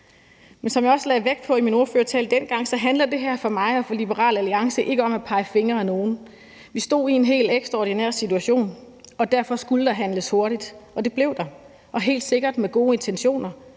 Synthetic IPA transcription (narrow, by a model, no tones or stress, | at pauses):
mensɒ̽mjɑ̈ɒ̽səlɛðˠʋeɡ̥̚pʰɒ̽imino̝ɐføːɐt͡sʰɛ̰ːld̥en̰ɡ̥ɑ̈ŋ̰sɒ̽ɦænləðd̥e̝ɦæɐfɒ̽mɑ̈ɪɒ̽fɒ̽lib̥əʁɑ̰̈ːlæliɑ̈ŋsəʔe̝ɡ̥əɒ̽mæpʰɑ̈ɪəfe̝ŋɐæno̝ːn̩ | ʋisd̥o̝̰ːie̝nɦe̝̰ːleɡ̥sd̥ʁɐɒːd̥inæ̰ɐ̰sit͡sʰuæɕo̝̰ːn | ɒ̽d̥æɐfɒ̽sɡ̥uləd̥ɑ̈ɦænləsho̝ɐɾid̥ʔɒ̽d̥e̝b̥le̝ʊ̰d̥ɑ̈ | ʔɒ̽ɦe̝̰ːld̥se̝ɡ̥ɐd̥meɡ̥o̝ːe̝nt͡sʰenɕo̝̰ːnɐ